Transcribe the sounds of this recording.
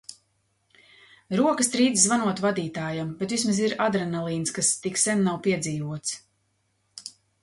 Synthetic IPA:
ɾuɔkəst̪ɾiːd̪zzvanuɔt̪vad̪iːt̪aːjambet̪vismaziɾad̪ɾɛnalˠiːnskast̪iksɛnnːawpiɛd̪ziːvuɔt̪s

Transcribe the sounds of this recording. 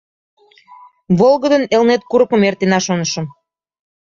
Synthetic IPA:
βolɣəd̪ənelnet̪̚kuɾəkəmert̪enɑʃonəʃə̆m

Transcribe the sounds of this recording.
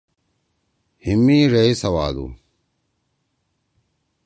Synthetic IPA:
himiːɾeisɐwaːd̪ṵ

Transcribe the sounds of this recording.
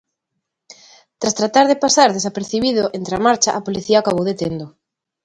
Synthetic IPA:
t̪ɾast̪ɾat̪aɾðepasaɾðesapeɾθiβið̞ʊʔent̪ɾamaɾt͡ʃaʔapoliθiaːkaβowðet̪end̪ʊ

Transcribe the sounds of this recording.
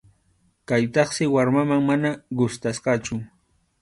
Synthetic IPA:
kajt̪ɑχsɪwaɾmamaŋmanaɢʊst̪asqɑt͡ʃʊ

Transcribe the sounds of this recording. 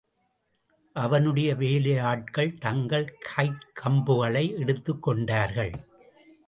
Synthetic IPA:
ʔɐʋɐnɯɽɐjɐʋeːlɐjaːʈ̚kɐɭt̪ɐŋɡɐɭkʰɐɪʈkʰːɐmbɯɣɐɭɐɪɛɽɯt̪ːɯkːɔɳɖaːɾɣɐɭ

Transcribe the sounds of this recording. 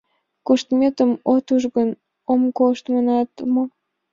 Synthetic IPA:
koʃt̪mʲet̪əmot̪uʒɣən | omkoʃt̪mənɑt̪mo

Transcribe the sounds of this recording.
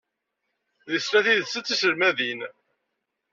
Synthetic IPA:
ðisɾæθiðsːət͡sːisəɾmæðin

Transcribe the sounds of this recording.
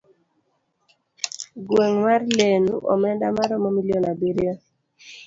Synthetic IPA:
ɡweŋmarlenṵʔɔ̰mɛndamaɾɔmɔmiljonabiɾjo

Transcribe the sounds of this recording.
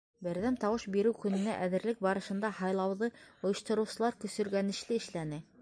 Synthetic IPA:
bɘ̆ɾðæmt̪ɑwɤʃbiɾɘwkɵ̆nɘ̆næʔæðɘ̆ɾlɘk̚bɑɾɤ̆ʃɤ̆nd̪ɑhɑjlˠɑwðɤŏjɤ̆ʃt̪ɤ̆ɾɤ̆wsɤ̆lˠɑɾkɵ̆sɵ̆ɾɡænɘ̆ʃlɘɘ̆ʃlænɘ

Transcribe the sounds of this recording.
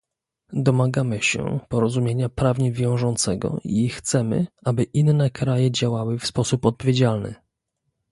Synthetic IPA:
d̪ɔmaɡamɘɕɛ̰pɔɾɔzumʲjeɲapɾavɲivʲjɔ̃w̃ʐɔnt̪sɛɡɔ̰ʔixt̪sɛmɘ̰ʔabɘʔinːɛkɾajɛd͡ʑawawɘfspɔsupɔt̪̚pɔvʲed͡ʑalnɘ̰

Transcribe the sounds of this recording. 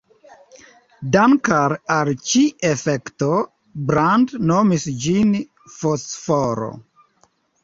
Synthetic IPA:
dankaɾalt͡ʃiefekto | bɾandnomisd͡ʒin | fosfoɾo̰

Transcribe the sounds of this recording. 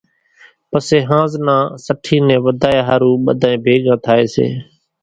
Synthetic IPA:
pəseːɦãːznãːsəʈʰiːnɛ̃ːʋəd̪ʱaːjaːɦaːɾuːɓə̰d̪ʱãːẽːbʱeːɠãːt̪ʰaːeːsḛː

